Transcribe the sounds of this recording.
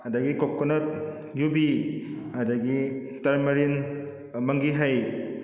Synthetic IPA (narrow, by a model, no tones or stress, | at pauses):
ɐdɐɡikokːɔnɐt̚ | jubi | ɐdɐɡi | tɐɾmɐɾin | mɐŋɡiɦɐj